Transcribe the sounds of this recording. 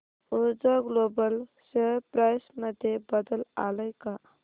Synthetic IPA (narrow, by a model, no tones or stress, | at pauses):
od͡ʒəɡlobəlsəɾpɾajsməd̪ʱjebəd̪əla̰ləjka